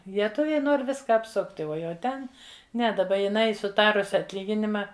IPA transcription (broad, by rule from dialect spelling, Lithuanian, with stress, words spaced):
lʲiɛˈtʊʋʲɛɪ ˈnoːr ˈʋʲɪskɐ ɐpˈsʊktʲ ˈuɔ jɛʊ ˈtʲɛn ˈnʲɛ dɐˈbɐ jɪˈnɐɪ sʊˈtɑːrʊsʲɪ ɐtʲˈlʲiːɡʲɪnʲɪmɐ